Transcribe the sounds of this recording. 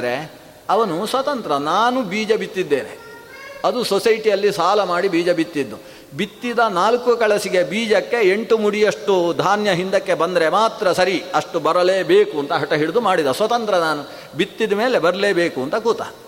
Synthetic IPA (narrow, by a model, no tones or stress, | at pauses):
ɾe | ɐʋɐnusʋɐt̪ɐnt̪ɾɐnaːnubiːd͡ʒɐbit̪ːid̪ːe̞ːnḛ | ɐd̪usosɐjʈijɐlːisaːlɐmaːɽibiːd͡ʒɐbit̪ːid̪ːu | bit̪ːid̪ɐnaːlkukɐɭɐsiɡe̞biːd͡ʒɐkːe̞eɳʈumuɽijɐʂʈud̪ʱaːnjɐɦind̪ɐkːebɐnd̪ɐɾe̞maːt̪ɾɐsɐɾiɐʂʈubɐɾɐleːbeːkuɐnt̪ɐɦɐʈɐɦiɭud̪umaːɽid̪ɐsʋɐt̪ɐnt̪ɾɐnaːnu | bit̪ːid̪ɐme̞ːle̞bɐɾɐleːbeːkuɐnt̪ɐkuːt̪a̰ː